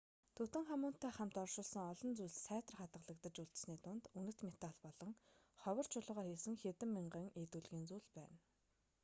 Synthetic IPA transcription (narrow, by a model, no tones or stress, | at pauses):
t̪ʰɵt̪ɘ̆ŋχamʊːnt̪ʰːæːχam̥t̪ɔrʃʊːɮsə̆ŋɔɮɞ̆nt͡sujɮsæːt̪ə̆rχat̪ʁə̆ɮə̆kt̪ə̆t͡ɕuɮt̪̆sniːt̪ʊnt̪unɘ̆kʰt̪met̪aɮpɔɮɞ̆ŋ | χɔwə̆r̥t͡ɕʰʊɮʊ̆ʁaːrxeːsɘ̆ŋxet̪ɘ̆mːiɴɢə̆ːŋet̪uɮɣiːnt͡suːɮpæːn